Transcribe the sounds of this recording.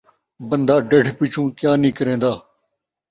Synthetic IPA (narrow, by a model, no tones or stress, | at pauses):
bənd̪aːɖəʈʰpɪt͡ʃʰũːkjaːnĩːkəɾẽːd̪aː